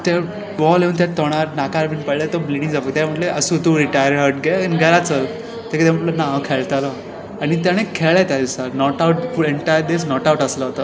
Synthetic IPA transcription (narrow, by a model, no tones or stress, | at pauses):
t̪a | bɔlɦeunt̪̬at̪ɔɽ̃aɾnakaɾbinpələt̪ɔbliɽiŋd͡zaʋəɡ̚t̪jam̤əʈleʔəsut̪uɾiʈajəɾɾɦəɾʈ̚ɡɛənɡʱəɾat͡sə | t̪ekid̪jam̤əʈlənãʋkʰeɭt̪alə | aɽ̃it̪jaɽ̃ekʰeɭat̪jad̪isaɾnɔʈauʈfuɭeɳʈajəɾd̪esnɔʈauʈəsləɦot̪ə